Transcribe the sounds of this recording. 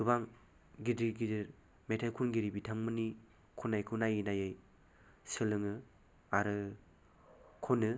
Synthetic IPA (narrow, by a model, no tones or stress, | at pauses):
dubaŋ | ɡidɾiɡidɯɾ | metʰalkʰunɡiɾibitʰaŋmɯni | kʰɔnajkʰɯnajɯnajaj | sɯlɯŋɯ | aɾɯ | kʰɔnɯ